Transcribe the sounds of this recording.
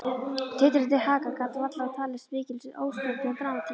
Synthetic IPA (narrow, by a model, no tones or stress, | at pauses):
t̪ʰɪːt̪ɪɾɪt̪ːɪhaːkakat̪lvat̪laɣat̪ʰaːlɪsvɪːcɪlsɪðʔo̰ːwst̪ʏlt̪ɪap̪ɾaːmat̪ʰiː